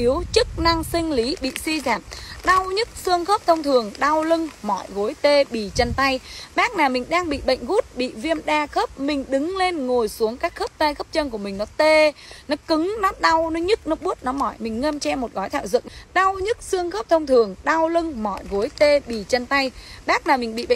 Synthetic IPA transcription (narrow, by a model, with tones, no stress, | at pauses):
i˨˦əwt͡ɕɨ˦˥k̚na˧ŋsï˧ŋ̟li˨˦ɓḭ˧˨si˧zaː˨˩p̚ɗa˧wɲɨ˦˥t̚sɨ˧əŋxə˦˥p̚t̪ʰə˧wŋ͡mt̪ʰɨ˨˩əŋɗa˧wlɨ˧ŋmɔ̰˧˨jɣo˨˦jt̪e˧ɓi˧˩t͡ɕə˧nt̪a˧jɓaː˦˥k̚naː˨˩wmï˨˩ŋ̟ɗaː˧ŋɓḭ˧˨ɓə̰˧˨jŋ̟ɣu˦˥t̚ɓḭ˧˨vi˧əmɗaː˧xə˦˥p̚mï˨˩ŋ̟ɗɨ˨˦ŋle˧nŋo˨˩jsu˨˦əŋkaː˦˥k̚xə˦˥p̚t̪a˧jxə˦˥p̚t͡ɕə˧nku˧˩əmï˨˩ŋ̟nɔ˨˦t̪e˧˩ | nɔ˨˦kɨ˨˦ŋnɔa˨˦˥t̚ɗa˧wnɔ˨˦ɲɨ˦˥k̚nɔ˨˦ɓu˦˥ət̚nɔ˨˦mɔ̰˧˩˨jmï˨˩ŋ̟ŋə˧mt͡ɕɛ˧mo˨˩t̚ɣɔ˨˦jt̪ʰa̰ː˧˨wzɨ̰˧˨ŋɗa˧wɲɨ˦˥t̚sɨ˧əŋxə˦˥p̚t̪ʰə˧wŋ͡mt̪ʰɨ˨˩əŋɗa˧wlɨ˧ŋmɔ̰˧˨jɣo˨˦jt̪e˧ɓḭ˧˨˩t͡ɕə˧nt̪a˧jɓaː˦˥k̚naː˨˩wmi˨˩ŋ̟ɓḭ˧˨ɓə̰˧˨